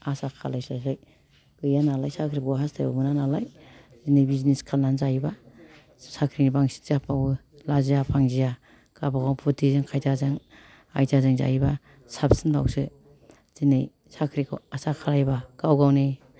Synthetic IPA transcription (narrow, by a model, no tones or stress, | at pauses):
asakʰa̰lajsasaj | ɡɯjanalajsakʰɾikɔwɦastʰajba̰ɡɯnanalaj | zinejbizineskʰalnanzajiba | sakʰɾinibaŋsi̥k̚zapʰaw | lazijapʰaŋzija | kabakawpʰutʰizɯŋkʰajtazaŋ | a̰jtazaŋza̰ba | sapsɯnba̰wsɯ | z̥inej | sakʰɾikʰa̰asakʰalajbakawɡawne